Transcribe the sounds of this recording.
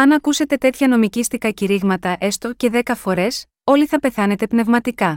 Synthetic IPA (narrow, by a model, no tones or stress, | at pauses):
ɐnɐkuse̞t̪e̞t̪e̞t̪çɐno̞micist̪ikɐciɾiɣmɐt̪ɐʔest̪o̞ce̞ðe̞kɐfo̞ɾe̞s | o̞liθɐpe̞θɐne̞t̪e̞pne̞vmɐt̪ikɐ